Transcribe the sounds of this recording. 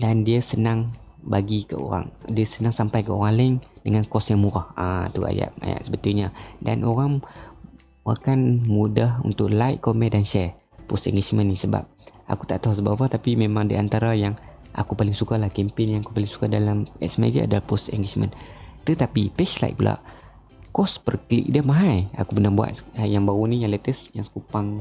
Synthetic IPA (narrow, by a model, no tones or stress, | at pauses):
dandiasənaŋ | baɡikə̰o̰ɾa̰ŋdiasənaŋsampajkəoɣalɪŋdəŋankɔsjaŋmuɾahat̪ua̰ja̰ʔa̰ja̰ʔsəbət̪ujɲada̰nʔoɾaŋ | wa̰kanmudahṵnt̪ʊʔlajʔkomɛdanʃɛ | pɔst̪ɛ̰ŋɡed͡ʒmənːisəba̰p̚ʔa̰kut̪aʔt̪aɦus̬əbawaht̪apimemãŋdiʔant̪aɾajaŋʔa̰kupalɪŋsukalahkɛmpɪnjãŋakupalɪŋsu̥kadalamɛ̰sma̰d͡ʒḭʔa̰dalahpɔst̪ɛ̰ŋɡed͡ʒmə̰nt̪ət̪apipɛʃla̰j̰ʔ̚pulʔa̰ʔ | kɔspərklḭʔ̚damaɦaja̰kubənabua̰t̪jaŋbaunijaŋlɛt̪əsjaŋsə̥kupaŋ